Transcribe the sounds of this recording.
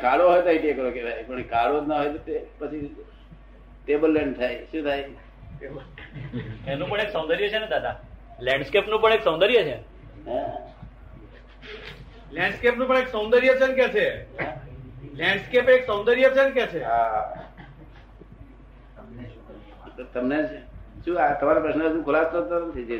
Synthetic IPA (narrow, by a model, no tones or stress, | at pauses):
kʰaɽoɦojt̪oiʈijekəɾokebʱajpəɳekʰaɽod͡ʒnaɦojt̪ot̪epət͡ʃʰi | ʈebəlːɛɳɖt̪ʰajʃũt̪ʰaj | ʈebə | ɛnũpəɳeksə̃w̃nd̪əɾijət͡ʃʰened̪ad̪a | lɛ̃ɳɖskepnũpəɳeksə̃w̃nd̪əɾijət͡ʃʰe | ɦɛ̃ | lɛ̃ɳɖskepnũpəɳ̃eksõnd̪əɾijət͡ʃʰenkɛt͡ʃʰeɦɛ̃lɛ̃ɳɖskepeksəw̃nd̪əɾijət͡ʃʰenkɛt͡ʃʰeɦa | t̪əmnet͡ʃʰeʃũat̪əmaɾapɾəsnəəd͡ʒũkʰʊlast̪ot̪əɾənt͡ʃʰed͡ʒe